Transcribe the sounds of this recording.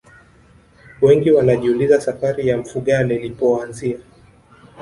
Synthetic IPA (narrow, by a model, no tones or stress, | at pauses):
wɛŋɡiwanaʄiulizasafaɾijam̩fuɠalɛlipɔanzia